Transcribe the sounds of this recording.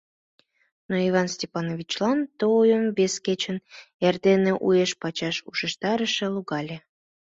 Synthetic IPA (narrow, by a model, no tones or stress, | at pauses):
noiβɑnsʲtʲepɑnovʲit͡ɕlɑnt̪oujəmvesket͡ɕən | erd̪eneʔueʃpɑt͡ɕɑʃuʃəʃt̪ɑɾəʃeluɣɑlʲe